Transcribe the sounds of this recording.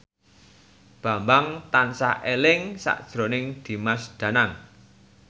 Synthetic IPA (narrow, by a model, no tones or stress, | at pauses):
b̥a̤mbaŋt̪ansaʔelɪŋsa̰ʔd̥ʒ̥ɾonɪŋd̪̥i̤masd̪̥ä̤naŋ